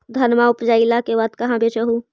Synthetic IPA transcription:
d̪ʱɐnmaʊpd͡ʒaːilakeʋaːd̪kɐɦãbet͡ʃəɦũ

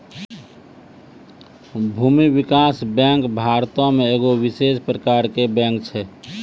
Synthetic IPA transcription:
bʱuːmibikasbɛ̃ŋkbʱaːɾt̪õmẽeːɡowɪsespɾəkaːɾkebɛ̃ŋkt͡ʃʰɛ

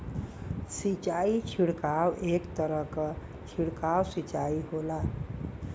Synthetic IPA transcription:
sit͡ʃait͡ʃʰiɽkawʔekt̪əɾəɦkə | t͡ʃʰiɽkawsit͡ʃaiɦola

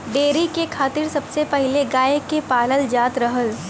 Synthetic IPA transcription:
ɖeːɾikekʰaːt̪ɪɾsɐbsepɐɦɪleɡaːekepaːləld͡ʒaːt̪ɾɐɦəl

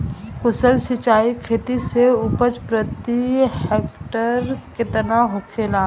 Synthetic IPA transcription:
kʊsəlsɪt͡ʃaːikʰeːt̪iseʊpət͡ʃpɾət̪ieːkʈəɾket̪ənaɦokʰeːlaː

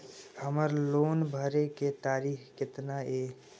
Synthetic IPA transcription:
həməɾloːnbʱəɾeket̪aːɾiːxkɪt̪naeː

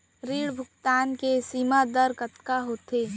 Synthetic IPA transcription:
ɾiːɽbʱʊkt̪aːnkesiːmad̪əɾkət̪kaɦot̪ʰe

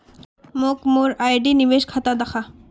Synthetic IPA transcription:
mokmoɾajɖinibeʃkʰat̪ad̪axʰa

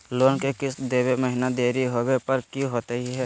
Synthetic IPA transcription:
loːnkekɪsd̪eːweməɦɪnad̪eːɾiɦoːwepɐɾkjũɦoːt̪əɦiɦɛː

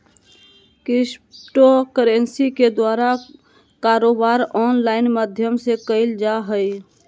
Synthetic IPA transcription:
kɪsʈokəɾensiked̪waːɾa | kaɾoːbaːɾɔːnlaːɪnmad̪ʱjəmsekəɪld͡ʒaɦəj

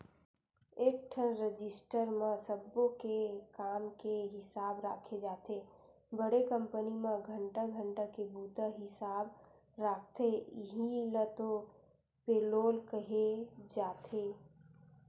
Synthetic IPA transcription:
eːk̚ʈʰənɾəd͡ʒɪsʈəɾmẽsəbːõkekaːmkeɦɪsaːbɾa̰ːkʰed͡ʒaːt̪e | bəɽekə̃mpənimẽɡʱə̃ɳʈaɡʱə̃ɳʈakebuːt̪aɦɪsaːb | ɾaːk̚ʰt̪eɦilət̪o | peːloːlkəɦed͡ʒaːt̪ʰeː

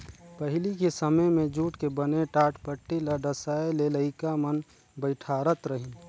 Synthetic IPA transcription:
pəɦɪlikesəməjmẽd͡ʒuːʈkebəneʈaːʈpəʈːiləɖəsaːeleləɪkamən | bəɪʈʰaːɾət̪ɾəɦi

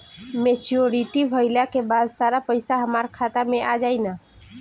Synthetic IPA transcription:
met͡ʃoɾiʈibʱəɪlakebad̪saɾapəjsaɦəmaɾkʰat̪ameʔad͡ʒaɪna

